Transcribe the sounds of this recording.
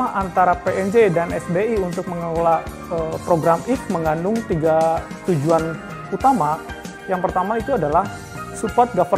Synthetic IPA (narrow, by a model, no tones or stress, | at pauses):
aʔant̪aɾapeʔɛnd͡ʒedanɛsbeiunt̪ʊk̚məŋəlolaʔ | əpɾoɡɾamik̚məŋanʊŋt̪iɡa | t̪ud͡ʒuan | ut̪ama | jaŋpərt̪amait̪uadalah | supat̪̚ɡafər